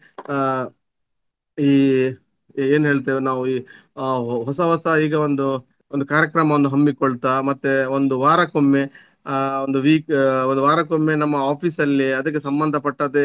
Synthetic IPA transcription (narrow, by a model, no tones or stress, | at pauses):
iː | eːnɦe̞ːɭt̪̬eʋnaːʋuiː | ɦɔsɐɦɔsɐiːɡɐond̪u | ond̪ukaːɾjɐkɾɐmɐʋond̪uɦɐmːikɔɭt̪amɐt̪ːeond̪uʋaːɾɐkomːe̞ | ond̪uʋiːkond̪uʋaːɾɐkomːe̞nɐmːɐaːpʰiːsɐlːiɐd̪ɐk̬ːesɐmbɐnd̪ʱɐpɐʈːaːd̪e